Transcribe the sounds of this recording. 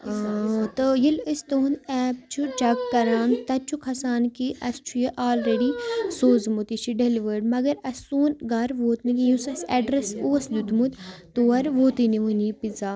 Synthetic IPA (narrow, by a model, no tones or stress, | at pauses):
t̪ɐjiləst̪oːnɛːb̚t͡ʃʰut͡ʃɐkkɐɾaːnt̪ɐt͡ʃʰukʰɐsaːnkiʔɐst͡ʃʰujɐʔaːlɾeɖisoːzmut̪iʃiɖeliʋəɾɖmɐɡɐɾɐsuːnɡɐɾʋoːt̪nikijũsɐsɛɖɾesoːslut̪mut̪t̪oːɐɾʋoːt̪iniʋunipiza